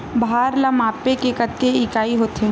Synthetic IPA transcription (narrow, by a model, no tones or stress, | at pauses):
baːɾlamaːpekekət̪ːeɪkaːiɦoːt̪ɦẽ